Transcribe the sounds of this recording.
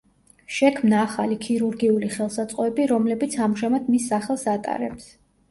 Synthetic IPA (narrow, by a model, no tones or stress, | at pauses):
ʃɛkʰmnaːχalikʰiɾuɾɡiuliχɛlˠsat̪sʼqʼɔɛbiɾɔmlɛbit̪sʰamʒamad̪misːaχɛlˠsat̪ʼa̰ɾɛ̰ps